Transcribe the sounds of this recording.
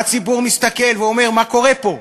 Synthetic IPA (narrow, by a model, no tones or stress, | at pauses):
at͡sibuʁmist̪ake̞lveome̞ʁmako̞ʁe̞po̞